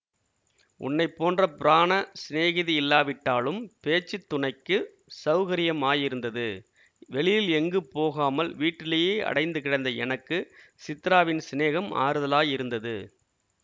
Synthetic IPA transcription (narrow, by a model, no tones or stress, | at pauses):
ʔʊ̰nːɐɪpːoːndrɐpɪɾaːnɐsɪneːɣɪðiɪlːaːʋɪʈːaːlɯmpeːt͡ʃːɯt̪ːʊɳɐɪkːɯ | sɐʋɣɐɾɪjɐmaːjɪɾɯnd̪ɐðɯ | ʋɛɭɪjɪlɛŋɡɯpoːɣaːmɐlʋiːʈːɪlɐjeːʔɐ̰ɽɐɪnd̪ɯkɪɽɐɪnd̪ɐɛnɐkːɯsɪt̪ːɪɾaːʋɪnsɪneːɣɐma̰ːɾɯðɐlaːjɪɾɯnd̪ɐðɯ